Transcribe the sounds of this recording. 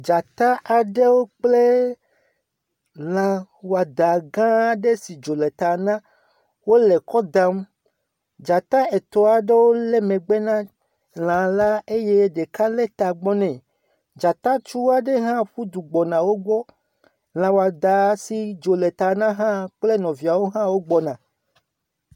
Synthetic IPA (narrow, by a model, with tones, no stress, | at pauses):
d͡ʒa˨t̪a˦ʔa˨ɖe˦wo˦k͡ple˦ | lã˨wo˨a˨d̪a˨ɡã˦ɖe˦si˨d͡ʒo˨le˨t̪a˨nã˦ | wo˦le˨kɔ˦d̪a˦m˦ | d͡ʒa˨t̪a˦e˨t̪ɔ˨a˨ɖe˦wo˦le˦mẽ˨ɡ͡be˦nã˦ | l̃ã˨la˦e˦je˦ɖe˨ka˦le˦t̪a˨ɡ͡bɔ˦nɛ̃˨ | d͡ʒa˨t̪a˦t͡ʃu˦wa˦ɖe˦ɦã˦ɸu˦d̪u˨ɡ͡bɔ˨nã˨wo˦ɡ͡bɔ˦ | l̃ã˨wo˨a˨d̪a˨si˨d͡ʒo˨le˨t̪a˨nã˦ɦã˦k͡ple˦nɔ̃˨vi˨a˨wo˦ɦã˦wo˦ɡ͡bɔ˦nã˨